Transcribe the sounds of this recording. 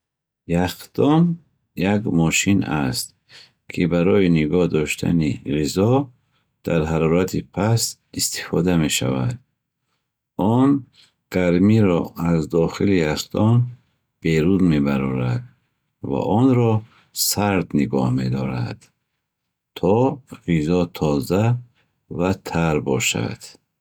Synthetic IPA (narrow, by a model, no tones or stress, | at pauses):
jaqd̪̥ɔn | jaɡmɔʃinast̪ | kʰibaɾɔjiniɡɔhd̪ɔʃt̪ʰa̰niʁizɔ | d̪̥aɾɦaɾɔɾat̪ʰipʰas | ist̪i̥fɔd̪ame̞ʃa̰vad̪̚ | ɔn | ɡ̥aɾmiɾɔazd̪ɔχiliast̪ɔn | b̥e̞ɾuzmebaɾɔɾad̪ | va̰ʔɔnɾɔ | saɾd̪niɡɔhme̞d̪ɔɾa̰d̪̥ | t̪ʰɔʁizɔt̪ʰɔza | vat̪ʰaɾbɔʃa̰d̪̥